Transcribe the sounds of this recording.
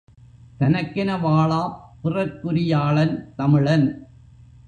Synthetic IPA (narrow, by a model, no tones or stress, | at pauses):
t̪ɐnɐkːɪnɐʋaːɭaːpɪrɐɾkːʊɾɪjaːɭɐnt̪ɐmɪɻɐn